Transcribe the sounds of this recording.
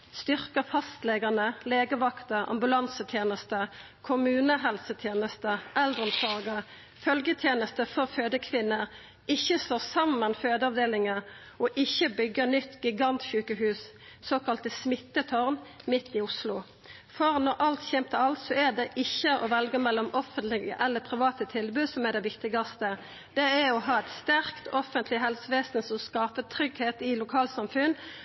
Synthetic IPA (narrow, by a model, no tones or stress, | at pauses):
st̪ʏʁkəfɑst̪leːɡənəleːɡəʋɑkt̪əʁɑ̰mbʉlɑnsət̪ʰjeːnəst̪ə | kʰʊmʉːnəɦɛlsət̪ʰjeːnəst̪əʔɛld̪ʁəmsɑʁɡəʁ | fœlɡət̪ʰjeːnəst̪əfɔʁføːd̪əkʰʋɪnːəʁ | ɪçəsloːsɑmənføːd̪əɑʋd̪eːlɪŋə | ɔʔɪçəbʏɡəʁnʏt̪ɡɪɡɑnt̪ʃʉːkəɦʉːs | soːkɑlt̪əsmɪt̪ːət̪ʰɔʁnmɪt̪ːɪʊslʊ | fɔʁnɔʁʔɑlt̪çɛmt̪əɑlt̪sɔɛd̪ɛʔɪçːəʔɔʋɛlɡəmɛlːɔmɔfənt̪lɪɡə̰ʔɛlːəpʰʁɪʋɑːt̪ət̪ʰɪlbʉːsɔmɛd̪ɛʋɪkt̪ɪɡɑst̪ə | d̪̥ɛæɔɦɑːɛt̪st̪æʁkt̪ʰɔfənt̪lɪɦɛlsəʋeːsn̩sɔmskɑːpət̪ʰʁʏɡheːt̪ɪlʊkʰɑːlsɑmfʉnː